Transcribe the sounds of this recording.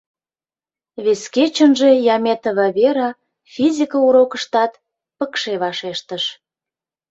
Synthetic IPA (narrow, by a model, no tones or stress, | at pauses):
βesket͡ɕənʒe̽jɑmet̪əβɑβeɾɑ | fʲizʲikəuɾokəʃt̪ɑt̪ | pəkʃeβɑʃeʃt̪əʃ